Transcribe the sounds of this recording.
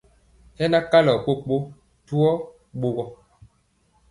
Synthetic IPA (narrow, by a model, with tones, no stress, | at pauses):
hɛ˦na˦ka˦lɔ˨k͡po˦k͡po˦ | tu˦ɔ˦ | ɓo˨ɣɔ˦